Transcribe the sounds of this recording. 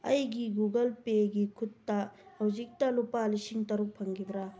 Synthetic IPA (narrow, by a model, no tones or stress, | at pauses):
ɐ̰jɡiɡuɡɐlpeɡikʰut̪ːɐhɐwzik̚tɐlupalisiŋtɐɾuk̚pʰɐŋɡibɾa